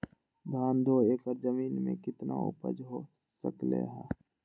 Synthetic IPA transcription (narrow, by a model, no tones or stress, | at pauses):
d̪ʱaːnd̪ʱoeːkəɾd͡ʒəmiːnmḛ̃kɪt̪na̰ʊ̰pə̰d͡ʒɦo | sə̰klḛɦɛː